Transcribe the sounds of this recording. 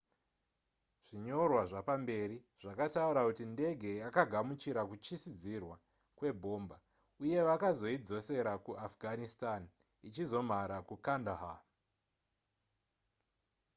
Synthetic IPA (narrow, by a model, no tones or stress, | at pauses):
ʐ̥iɲo̞rwaʐapambe̞ɾi | ʐ̥akatauɾakutinde̞ɡʱe̞jakaɡʱamut͡ʃiɾakut͡ʃisid͡zirwa | kwe̞bʱo̞ːmba | uje̞ʋakazo̞id͡zo̞se̞ɾakuʔafɡʱanistan | it͡ʃizo̞m̤aɾakukandaɦa